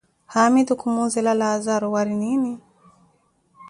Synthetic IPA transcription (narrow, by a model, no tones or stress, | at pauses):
hamid̪ukumuzɛlalaːzaɾɔwaɾinini